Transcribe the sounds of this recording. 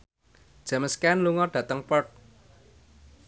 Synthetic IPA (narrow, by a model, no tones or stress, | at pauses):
d̥ʒ̥a̤məskɛnluŋɔɖ̥ä̤t̪əŋpɔrt̚